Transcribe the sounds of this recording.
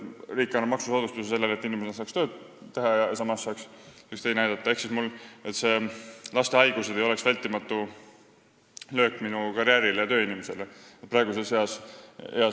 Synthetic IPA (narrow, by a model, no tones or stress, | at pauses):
riːkːˑɑnːɑmɑksusoːd̪ust̪usese̞lːelet̪ːˑinimesenɑsɑːkst̪ø̞ːd̪̥ | t̪ːe̞ɦɑjɑjɑsɑmɑsːɑːks | ykst̪ejnæjd̪ɑt̪ˑːɑe̞hksismule̞t̪se̞lɑst̪e̞ɑjɡ̥used̪ejo̞le̞ksvælʲt̪ːˑimɑt̪ːˑu | lø̞ːkːˑminukɑɾjæɾilejɑt̪øːinimese̞leet̪prɑe̞ɡuse̞sheɑseɑ